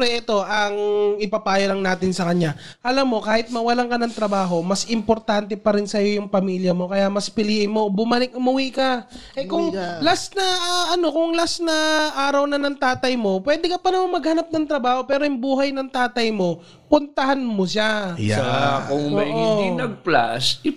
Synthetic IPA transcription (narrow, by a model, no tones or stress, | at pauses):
ɾɛʔɛt̪o̞ʔɐŋɪpɐpaːjolɐŋnaːt̪ɪnsɐkɐɲa | ʔɐlɐmːo̞kaːhɪt̪̚mɐwɐlaŋkɐnɐŋt̪ɾɐbaːɦo̞mɐsʔɪmpoɾt̪ant̪ɛpɐɾɪnsɐjo̞jʊŋpɐmiːljɐmo̞kɐjamɐspɪliːʔɪnmobʊmɐlɪk̚ʔʊmʊwikɐʔɛkʊŋlasnɐʔɐno̞kʊŋlasnɐʔaːɾɐwnɐnɐŋt̪aːt̪ɐjmo̞pwɛːd̪ɛkɐpɐnɐmaŋmɐɡ̚hɐnap̚nɐŋt̪ɾɐbaːho̞pɛːɾoʔɪŋbuːɦɐjnɐŋt̪aːt̪ɐjmo̞ | pʊnt̪ɐɦanmoʃa | kʊŋoɐːjʔonɐɡ̚pla̰sɪ